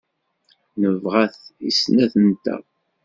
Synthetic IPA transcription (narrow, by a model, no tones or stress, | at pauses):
nəvʁæθḭsnæθənt̪æ̰